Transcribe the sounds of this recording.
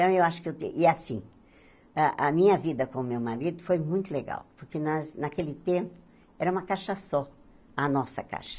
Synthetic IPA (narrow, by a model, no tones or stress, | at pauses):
t̪ɐ̃w̃ewaʃʊ̥kɪewt̪ḛʔɪasḭ̃ | aʔɐmĩɲɐvid̪ɐkõʊmewmaɾid̪ʊfojmũj̃t̪ʊleɡa̰wpoɾkenaznakelɪt̪ẽmpʊ̥ | ɛɾɐũmɐkaʃɐsɔ | ɐnɔsɐ̰ka̰ʃɐ̥